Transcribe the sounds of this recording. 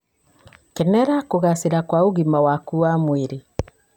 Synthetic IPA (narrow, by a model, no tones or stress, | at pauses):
kɛnɛɾakoɣaseɾakwaoɣimawakuamweɾe